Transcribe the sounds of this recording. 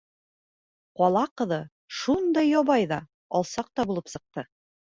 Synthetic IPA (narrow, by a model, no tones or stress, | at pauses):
qɒlˠɑqɤ̆ðɤ | ʃund̪ɑjːɒβɑjðɑ | ɒlˠsɑq̚t̪ɑbulˠɤpsɤ̆q̚t̪ɤ